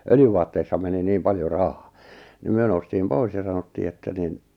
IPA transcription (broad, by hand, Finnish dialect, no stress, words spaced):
øljyʋɑːtːeisːɑ meni niːm pɑljo rɑhɑ̥ː ni myø noustiːm pois jɑ sɑnotːiː etːæ nin